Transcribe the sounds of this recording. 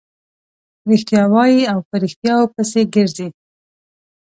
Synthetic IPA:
ɾixt̪jɑwɑjiawpəɾixt̪jɑwopəseɡəɾzi

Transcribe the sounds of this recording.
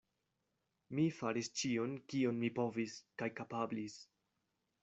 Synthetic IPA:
mifaɾist͡ʃio̞nkio̞nmipo̞viskajkapablis

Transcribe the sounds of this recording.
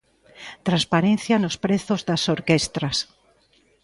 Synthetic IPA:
t̪ɾanspaɾenθjanʊspɾeθʊzðasoɾkest̪ɾɐs

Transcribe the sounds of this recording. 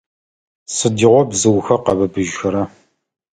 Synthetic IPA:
sɨdiʁʷɔbzɨwxɐqɐbɐbɨʒxɨɾɐ

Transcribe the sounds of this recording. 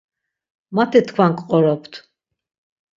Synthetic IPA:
mat̪ʰɛt̪ʰkʰwaŋkʼqʼɔɾɔpʰt̪ʰ

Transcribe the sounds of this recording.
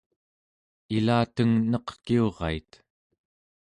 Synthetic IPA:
ilaːt̪əŋnʌqkio̞ʁɑ̰it̪

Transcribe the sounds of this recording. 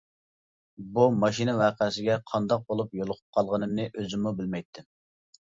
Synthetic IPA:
bumɑʃinɨwɑːqʰəs̬ɪɡʲɛqʰɑnd̪ɑq̚bolˠupjolˠʊqʰʊp̚qʰɑlˠʁənɨmnɪʔøzɪmubɪlmɛjt̪ʰːɪ

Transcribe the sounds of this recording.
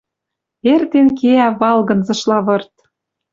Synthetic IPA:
ert̪enkeæβɑlɣɤ̆nzɤ̆ʃlɑβɤ̆rt̪

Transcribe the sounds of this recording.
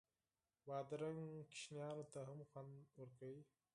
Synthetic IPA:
bɑːd̪ɾaŋkɪ̥ʃnjɑːnot̪aɦamxwand̪wəɾkawi

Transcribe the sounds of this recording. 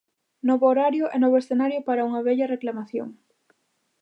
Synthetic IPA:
nɔβʊoɾaɾjʊʔɛnɔβʊesθenaɾjʊpaɾauŋɐβɛʎɐreklamaθjo̰ŋ

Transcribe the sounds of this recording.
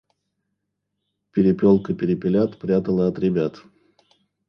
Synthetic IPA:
pʲɪɾʲɪpʲolˠkəpʲɪɾʲɪpʲɪlʲat̪pɾʲat̪əlˠəɐt̪ɾʲɪbʲat̪

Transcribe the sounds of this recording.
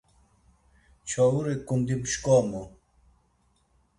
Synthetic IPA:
t͡ɕʰɔwuɾekumd̪ibuʃkɔːmo

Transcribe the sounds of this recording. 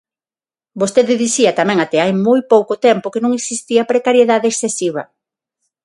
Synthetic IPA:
bost̪eðɪðiθiɐt̪amɛ̃ŋat̪ɛajmojpowkot̪ɛmpokenũŋeksist̪iɐpɾekaɾjeðaðeeksθesiβ̞ɐ

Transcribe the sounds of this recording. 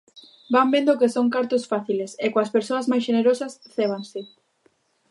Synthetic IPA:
bambend̪okesoŋkaɾt̪ʊsfaθilesekoɐspeɾsoɐzmajs̬ʃeneɾosɐsθeβ̞ansɪ

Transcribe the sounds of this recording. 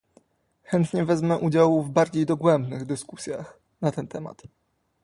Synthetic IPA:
xɛnt̪ɲɛvɛzmɛʔud͡ʑawuvbaɾd͡ʑejd̪ɔɡwɛmbnɘɣd̪ɘskusʲjax | nat̪ɛnt̪ɛma̰t̪

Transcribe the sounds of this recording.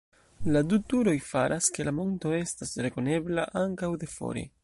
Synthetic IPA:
ladutuɾo̞jfaɾʔaske̞lamo̞nto̞e̞stasɾe̞ko̞ne̞blaʔaŋkawde̞fo̞̰ɾe̞̰

